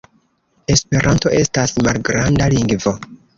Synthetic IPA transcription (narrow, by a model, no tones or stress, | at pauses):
e̞spe̞ɾʔanto̞ʔe̞stasmalɡɾandaliŋɡvo̞